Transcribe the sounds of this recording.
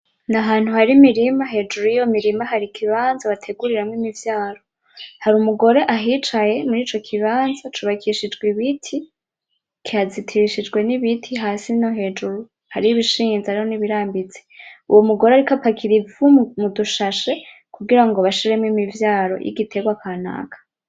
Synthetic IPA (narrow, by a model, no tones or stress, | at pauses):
naɦaːn̥huhaɾimiɾimaɦe̞ːd͡ʒuɾujijomiɾimaɦaɾikʰiβaːnzaβatʰe̞ɡuɾiɾamwimivjaːɾo̞ | haɾumuɡo̞ɾe̞ʔaɦit͡ʃaje̞muɾiːt͡ʃo̞kʰiβaːnzatuβakʰiʃid͡ʒɡwiβitʰi | kiazitʰiɾiʃid͡ʒɡwe̞niβitʰiɦaːsinoɦe̞ːd͡ʒuɾu | haɾiiβiʃiːnzaɾiho̞niβiɾaːmbit͡se̥uwomuɡo̞ɾeaɾikapakʰiɾivumuduʃaʃe̞ | kuɡiɾaŋɡoβaʃiɾe̞mwimivjaːɾo̞̰jʔḭɡitʰe̞ɡwakʰana̰ːkḁ